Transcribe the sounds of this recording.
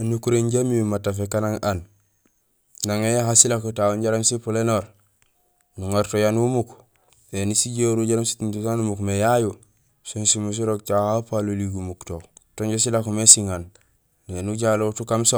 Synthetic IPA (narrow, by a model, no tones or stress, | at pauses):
nukuɾeɲɟamiumatafekanaŋan | naŋejaɦasilakutawoɲɟaɾamsipulenoɾ | nuŋoɾtojanumuk | enisiɟoɾuɟaɾamsi̥tintusanumukmejaju | sonsimus̬iɾoɡ̚t͡ʃahapaluliɡumuktotoɲɟesilakumesiŋan | enuɟaloutukamso